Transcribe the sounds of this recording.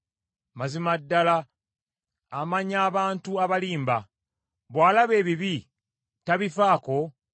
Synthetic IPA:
mazimadːala | maɲaːβaːntuaβaliːmba | βwaːlaβe̞ːβiβi | taβifaːko̞

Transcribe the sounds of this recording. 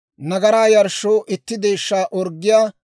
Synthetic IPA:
nɐɡɐɾaːjɐɾʃːoːʔɪt̪ːɪd̪e̞ːʃːaːʔɔɾɡːɪjaː

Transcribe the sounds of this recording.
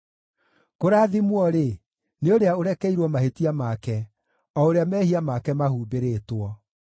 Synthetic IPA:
koɾaːðimwɔɾe | neoɾeaoɾɛkɛiɾwɔmahetiamakɛ | ɔoɾeamɛːhiamakɛmahuːbeɾeːtwɔ

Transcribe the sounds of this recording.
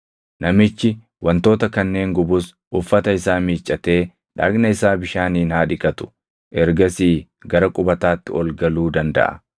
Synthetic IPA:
nɐmɪt͡ʃːɪ | wʔɐnt̪o̞ːt̪ɐkɐnːe̞ːŋɡʊbʊs | ʔʊfːɐt̪ɐɪsaːmiːt͡ʃʼːɐt̪e̞ː | ᶑaːɡnɐɪsaːbɪʃaːniːnhaːᶑɪkʼɐt̪ʊ̥ | ʔɛɾɡɐsiː | ɡɐɾɐkʼʊbɐt̪aːt̪ːɪɔlɡɐluːd̪ɐnd̪ɐ̰ʔɐ̥̰

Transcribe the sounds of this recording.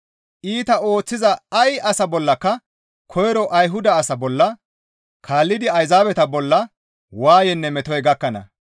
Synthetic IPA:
ʔiːt̪ɐo̞ːt͡sːɪzɐɐjɐsɐbɔlːɐkːɐ | kʰɔjɾɔʔɐjɦʊd̪ɐːsɐbɔlːɐ | kʰaːlːɪd̪ɪɐjzaːbɛt̪ɐbɔlːɐ | waːjɛnːɛmɛt̪ɔjɡɐkːɐnɐ̰

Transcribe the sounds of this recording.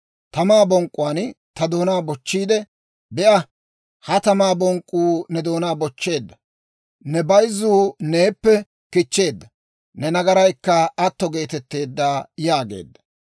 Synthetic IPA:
t̪ɐmaːbɔŋkʼːʊwaːnt̪ɐd̪o̞ːnaːbɔt͡ʃːiːd̪ɛ | bɛʔɐ | hɐt̪ɐmaːbɔŋkʼːuːnɛd̪o̞ːnaːbɔt͡ʃːe̞ːd̪ːɐ | nɛbɐjzuːne̞ːpːɛ | kɪt͡ʃːe̞ːd̪ːɐ | nɛnɐɡɐɾɐjkːɐɐt̪ːɔɡe̞ːt̪ɛt̪ːe̞ːd̪ːaːjaːɡe̞̰ːd̪ːɐ̥

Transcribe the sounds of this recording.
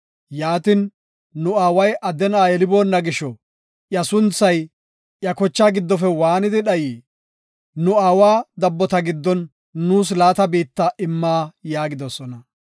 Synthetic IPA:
jaːt̪ɪn | nʊaːwɐjʔɐd̪ɛnaːjɛlɪbo̞ːnːɐɡɪʃɔ | ʔjɐsʊnt͡sːɐj | ʔjɐkɔt͡ʃːaːɡɪd̪ːɔfɛwaːnɪd̪ɪɗɐjiː | nʊaːwaːd̪ɐbːɔt̪ɐɡɪd̪ːɔnː | uːs̬laːt̪ɐbiːt̪ːɐʔɪmːaːjaːɡɪd̪ɔsɔnɐ

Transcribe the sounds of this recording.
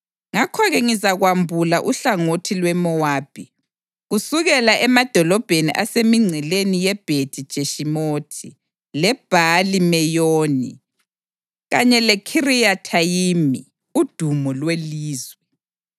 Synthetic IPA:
ŋakʰɔɣɛŋizaɣwambʱulaʔuɬaŋotʰilwɛmɔwaːb̥ʱi | ɣusuɣɛlaʔɛmad̥ʱɔlɔb̥ʱeniʔasemiŋ͡ǀʱɛlenijɛb̥ʱed̥ʰʱid̥ʒ̥ʱeʃimotʰi | lɛb̥ʱalimɛjoːnḭ | ɣaɲɛlɛkʰirijatʰajimi | ud̥ʱumɔlweliːzwɛ

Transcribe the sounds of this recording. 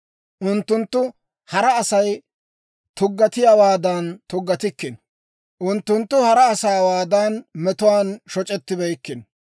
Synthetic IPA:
ʔʊnt̪ːʊnt̪ːʊ | hɐɾɐːsɐj | t̪ʊɡːɐt̪ɪjaːwaːd̪aːnt̪ʊɡːɐt̪ɪkːɪn | ʔʊnt̪ːʊnt̪ːʊhɐɾɐːsaːwaːd̪aːnmɛt̪ʊwaːnʃɔt͡ʃʼɛt̪ːɪbɛjkːɪn

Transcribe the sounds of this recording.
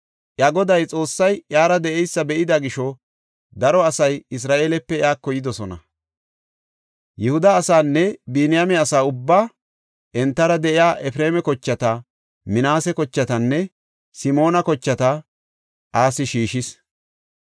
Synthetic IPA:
ʔjaːɡɔd̪ɐjt͡sʼo̞ːsːɐjjaːɾɐd̪ɛʔɛjsːɐbɛʔɪd̪ɐɡɪʃɔ | d̪ɐɾɔɐsɐjɪs̬ɾaːʔeːlɛpːɛjaːkːɔjɪd̪ɔsɔnɐ̰ | jɛhʊd̪ɐːsaːnːɛbinɪjamɛɐsaːʊbːaː | ʔɛnt̪ːɐɾɐd̪ɛʔɪjaːʔɛfɾeːmɛkɔt͡ʃːɐt̪ɐ | mɪnaːsɛkɔt͡ʃːɐt̪ɐnːɛ | sɪmo̞ːnɐkɔt͡ʃːɐt̪ɐ | ʔaːsɪʃiːʃɪs

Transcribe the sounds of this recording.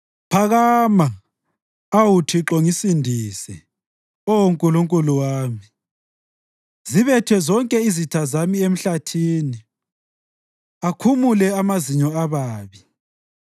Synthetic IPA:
pʰaɣamaː | wutʰiǁɔŋisindʱisɛ̰ | ɔwoŋkʼuluŋkʼuluwaːmi | ziβɛtʰwɛzɔŋkʼɛizitʰazamiem̩ɬatʰiːni | akʰumulɛamaziɲɔaβaːβi

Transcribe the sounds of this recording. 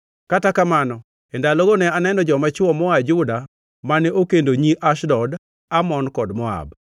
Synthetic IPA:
katakamanɔ | ɛndaloɡonɛanɛnɔd͡ʒɔmat͡ʃwɔmɔad͡ʒʊda | manɛokendoɲiʔaʃdɔd | amɔnkɔdmɔa̰b

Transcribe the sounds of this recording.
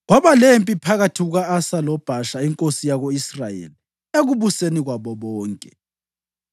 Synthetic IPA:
ɣwaβalempʼipʰaɣatʰiɣuɣaːsalɔb̥ʱaʃaiŋkʼosijaɣoisra̰jḛli | eɣuβuseniɣwaβɔβɔːŋkʼɛ

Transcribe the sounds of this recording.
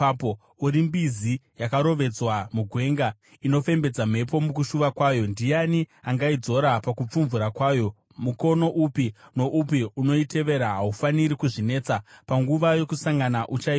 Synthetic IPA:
po | uɾimbizijakaɾo̞ʋe̞d͡zwamuɡʱwe̞ːŋɡa | ino̞fe̞mbe̞d͡zam̤e̞po̞mukuʃuʋakwaːjo̞ndijaniaŋɡaid͡zo̞ɾapakup͡fuɱvuɾakwaːjo̞ | muko̞no̞ʔupino̞ʔupiuno̞ite̞ʋe̞ɾaɦaufaniɾikuʐine̞ːt͡sapaŋɡuʋajo̞kusaŋɡanaʔut͡ʃai

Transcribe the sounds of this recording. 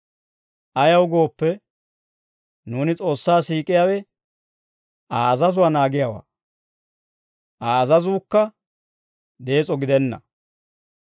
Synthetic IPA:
ʔɐjɐwʊɡo̞ːpːɛ | nuːnɪt͡sʼo̞ːsːaːsiːkʼɪjaːwɛ | ʔaːzɐzʊwanaːɡɪjawa̰ː | ʔaːzɐzuːkːɐ | d̪e̞ːt͡sʼɔɡɪd̪ɛnːɐ̰

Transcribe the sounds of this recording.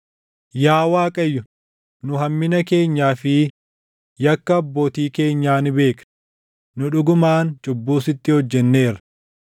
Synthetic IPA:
jaːwaːkʼɐjːʊ | nʊɦɐmːɪnɐke̞ːɲːaːfɪ | jɐkːɐːbːo̞ːt̪iːke̞ːɲːaːnɪbe̞ːkɐ̥ | nʊᶑʊɡʊmaːnt͡ʃʼʊbːuːsɪt̪ːɪhɔd͡ʒːɛnːe̞ːɾɐ̥

